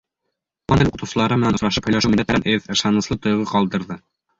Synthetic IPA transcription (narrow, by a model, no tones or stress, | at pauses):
wɑnɘluqɤ̆t̪ɤ̆wsɤ̆lˠɑɾɤmɘ̆ænŏsɾɑʃɤphɵ̆jlæʃɘwmilæt̪mælænʔɘðɤ̆ʃɑnɤ̆slˠɤt̪ŏjʁɤqɒlˠd̪ɤ̆ɾðɤ